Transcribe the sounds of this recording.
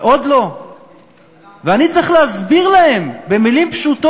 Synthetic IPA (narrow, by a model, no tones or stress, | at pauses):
ʔod̪lo̞ | veanit͡sʁeχleazbiʁlae̞mbe̞milimpʃut̪o